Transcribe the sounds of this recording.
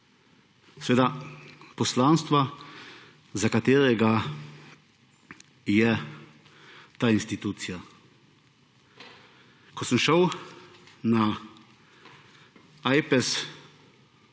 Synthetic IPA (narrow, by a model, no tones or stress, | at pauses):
sɛʋeːd̪apɔslaːnst̪ʋa | zakat̪eːɾɛɡa | jɛ | t̪aːinst̪it̪uːt̪sija | kɔsəmʃəw | na | ajpɛs